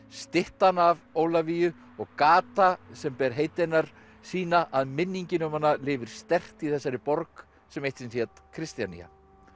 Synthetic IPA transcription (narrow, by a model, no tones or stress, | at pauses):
st̪ɪht̪anavoːwlavijʏ | ɔɣkaːt̪asɛmpɛɾ̥ɦejt̪ɪnaɾ̥ | siːnaʔaðmɪnːiɲcɪnʏmhanːalɪːvɪɾ̥st̪ɛr̥t̪iθɛsːaɾɪpɔɾk | sɛmejht̪sɛnsɛt̪kʰɾɪst̪janḭa̰